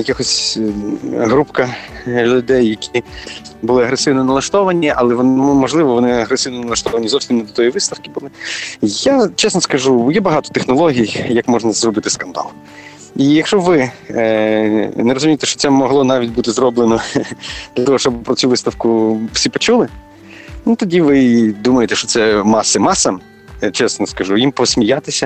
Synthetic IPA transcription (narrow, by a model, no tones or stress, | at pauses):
jɐkʲɪxɔsʲ | ɦɾupkɐlʲʊd̪ɛjːɐkʲi | bʊlˠɪɐɦɾesɪwnɔnɐlˠɐʃt̪ɔʋɐnʲiʔɐlˠɛʋɔnmɔʒlˠɪʋɔʋɔnɪɐɦɾesɪwnɔnɐlˠɐʃt̪ɔʋɐnʲizɔwsʲimnd̪ɔt̪ɔjiʋɪst̪ɐfkɪbʊlˠɪjat͡ʃɛsnɔskɐʒujɛbɐɦɑt̪ɔ̥t̪exnɔlˠɔɦʲijjɐkmɔʒnɐzrɔbɪt̪ɪskɐnd̪ɑ̰lˠ | ijɐkʃɔʋɪ | neɾɔzʊmʲijt̪ɛʃt͡ʃɔ̥tsɛmɔɦlˠɔnɑʋʲitʲbut̪ɪzrɔblˠenɔd̪̥lʲɐt̪ɔɦɔʃt͡ʃɔbpɾɔt͡sʲuʋɪst̪ɐwkʊfsʲipɔt͡ʃulˠɪ | nut̪ɔdʲiʋɪd̪umɐjet̪ɛʃt͡ʃɔtsɛmɑsɪmɑsɐm | t͡ʃɛsnɔskɐʒujimpɔsʲmʲijat̪ɪsʲɐ